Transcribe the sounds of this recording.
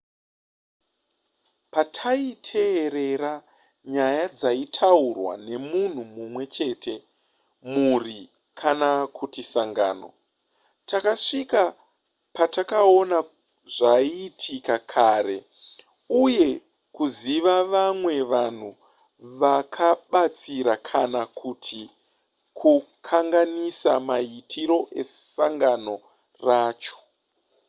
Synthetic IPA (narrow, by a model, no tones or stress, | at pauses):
patʰaitʰe̞ːɾe̞ra | ɲajad͡zaitʰaurwa̰ne̞mun̤umumwe̞t͡ʃe̞ːtʰe̞ | muri | kʰanakʰutisaŋɡa̰ːno̞̰ | takaʂika | patakao̞na | ʐaiːtʰikakʰaɾe̞̰ | uje̞ | kuziʋaʋamwe̞ʋan̤u | ʋakʰaɓat͡siɾakʰanakʰutʰi | kʰukʰaŋɡanisamaitʰiɾo̞ʔe̞̰saŋɡano̞ | raːt͡ʃo̥